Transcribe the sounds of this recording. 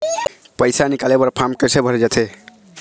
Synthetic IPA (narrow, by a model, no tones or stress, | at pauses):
pəjsanikalebəɾpʰamkəɾsebʱʌɾed͡ʒat̪ʰe